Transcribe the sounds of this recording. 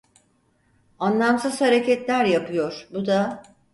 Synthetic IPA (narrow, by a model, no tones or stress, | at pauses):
anlˠamsɯz̥haɾecɛt̪lʲæɾjapʰɯjo̞ɾ̥bud̪a